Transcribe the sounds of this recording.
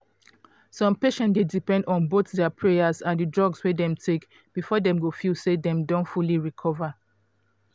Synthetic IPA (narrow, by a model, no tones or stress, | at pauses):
sɔ̃mpeʃɛ̃ndedipɛ̃ndɔ̃nboθdɛəpʰɹejazãndɨdɹɔɡswɛdɛ̃mtʰek | b̥ifɔdɛ̃mɡofjusedɛ̃mdõntfuliɹikʰɔva